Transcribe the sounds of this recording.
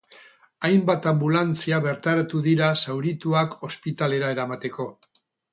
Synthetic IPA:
ajmbat̪ambulant͡siaβe̞ɾt̪aɾat̪uðiɾasawɾit̪uako̞spit̪ale̞ɾae̞ɾamat̪e̞ko̞

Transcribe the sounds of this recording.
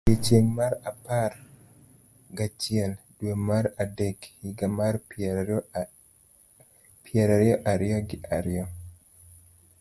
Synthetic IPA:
jet͡ʃeŋmaɾapar | ɡat͡ʃɪɛldwemaɾadɛɡhiɡamar | piɛɾaɾjɔʔaɾiɔɡɪʔaɾjɔ

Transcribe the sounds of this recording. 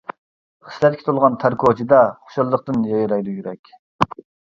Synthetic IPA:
χə̥slɛt̪̚kʰʲe̥t̪ʰulˠʁɑnt̪ʰæɾkʰot͡ʃʰid̪ɑχo̥ʃɑlˠːəq̚t̪ɨnjɑjɾɑjd̪ujyɾɛkʲ

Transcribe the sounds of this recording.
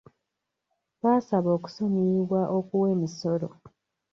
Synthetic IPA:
βaːsaβo̞ːku̥soɲiwaʔokuweːmiso̞ɾo̰

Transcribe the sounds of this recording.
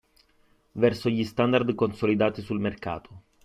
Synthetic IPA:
vɛrsoʎist̪and̪ard̪konsolid̪aːt̪isulmerka̰ːt̪ʰo̥

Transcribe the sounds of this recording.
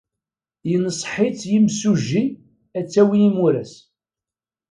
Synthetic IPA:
jənəsˤħit͡sːjimsuʒːi | æt͡sːæwiːmuɾæs

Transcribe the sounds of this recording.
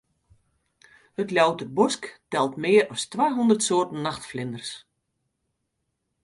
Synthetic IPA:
hətljawtərbɔsktɛlˠtmɪːəɾɔstʋaːɦundərtsoːrtn̩ːaxtflɪndərs

